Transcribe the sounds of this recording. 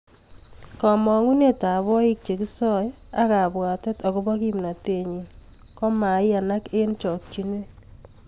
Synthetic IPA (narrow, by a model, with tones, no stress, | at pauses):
kɔ˨mɔ˨ŋu˦ne˦ta˨βɔ˦ɪ˦k̚t͡ʃe˨kɪ˦sɔ˦ja˦ka˨bwa˨tɛ˦tɔ˨kɔ˦bɔ˦ki˦mna˨te˨ɲi˨ | kɔ˦ma˨ja˨na˦ke˦nt͡ʃɔ˨k̚t͡ʃi˦ne˦